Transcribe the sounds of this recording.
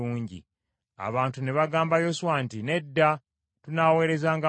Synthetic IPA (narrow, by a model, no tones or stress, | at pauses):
uːɲɟḭ | a̰βaːntune̞βaɡaːmbajo̞suwantine̞dːa | tunawe̞ːɾe̞zaːŋɡa